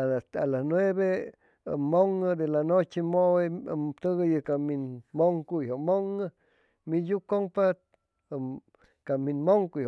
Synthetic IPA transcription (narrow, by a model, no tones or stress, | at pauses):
aaalasnweβḛ | mːoŋəd̪elanot͡ʃemowemt̪ɨɣəjɨkaminmoŋkujhomoŋə | mijukoŋpa | kaminmoŋkujo